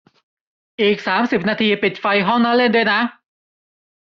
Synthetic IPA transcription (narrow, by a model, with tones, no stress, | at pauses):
ʔiː˨˩k̚saː˩˦msi˨˩p̚naː˧t̪ʰiː˧pi˨˩t̪̚fa˧jɦɔ˥˩ŋnaː˥˩le˥˩ndu˥˩jna˦˥